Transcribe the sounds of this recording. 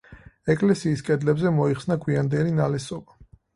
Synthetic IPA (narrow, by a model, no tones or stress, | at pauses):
ɛkʼlɛsiːskʼɛd̪lɛbzɛmɔiχsnaɡʰwiand̪ɛlinalɛsɔba